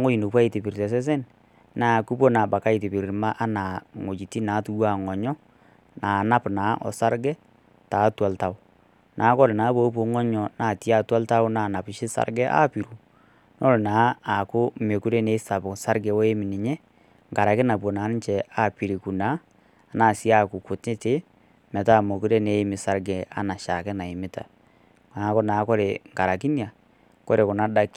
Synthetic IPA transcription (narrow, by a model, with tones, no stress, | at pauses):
a˨˦ŋo˦ji˨no˨pwa˦ɪ˨tɪ˨pi˨ɾtɛ˨s̬ɛ˦s̬ɛ˦n | naː˨ku˦p̬o˦na˨ba˨ka˦ɪ˨tɪ˨pi˨ɾɪ˨ɾma˦ʔa˦naː˨ŋo˨d͡ʒi˨ti˦naː˨˦tu˨˦waː˦˨ŋɔ˨ɲɔ˦ | naː˨na˦pnaː˨˦ʔɔ̰˨sa˦ɾɡɛ˦ | taː˨˦twa˨lta˨ʊ˨ | nʔaː˨˦kɔ˦lnaː˨˦bo˦po˨˦ŋɔ˦ɲɔ˨naː˨ti˦a˦˨twa˦lta˦ʊ˦naː˨na˨pɪ˨ʃɪ˦sa̰˨ɾɡɛ˦ʔa̰˦pi˨ɾu˨ | nɔ˦ɾnaː˨˦a˨kʊ˦me˨ku˦ɾe˦ne˨˦sa˨bʊ˨sa˦ɾɡɛ˨wɔ˦e˦mɪ˨nɪ˨ɲɛ˦ | ŋɡa˨ɾa˨kɪ˦na˨p̬o˨naː˨˦n˦t͡ʃɛ˨a˦pi˨ɾi˨ku˨na˦ | a˨naː˨si˦a˦˨ku˨kʊ˨te˦te˦ | mɛ˨taː˦˨mo˨ku˦ɾɛ˦ne˨˦mɪ˨sa˦ɾɡɛ˨a̰˨˦na˨ʃa˨kɛ˦na˨i˨mɪ˦ta̰˨ | aː˨˦kɔ˦naː˨˦kɔ˦ɾe˨ŋɡa˨ɾa˨ki˦nja˨ | kɔ˦ɾe˨kʊ˨na˦da˦ki˦